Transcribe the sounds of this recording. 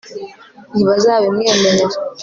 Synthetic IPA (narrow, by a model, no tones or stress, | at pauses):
niβazaːβemŋeːmeneɾ